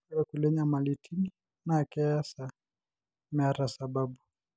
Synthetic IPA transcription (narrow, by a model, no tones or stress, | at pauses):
ɛkulɛɲamalitʰini | nakɛasa | mɛaɾasababu